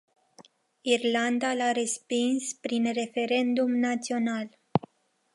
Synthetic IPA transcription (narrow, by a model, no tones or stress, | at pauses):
irland̪alaɾe̞spinspɾinre̞fe̞ɾe̞nd̪umnat̪sio̞nal